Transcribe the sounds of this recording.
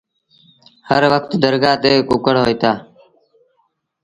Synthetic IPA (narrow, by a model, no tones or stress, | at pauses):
həɾʋəkt̪d̪əɾɡaːt̪eːkʊkəɽɦoːit̪aː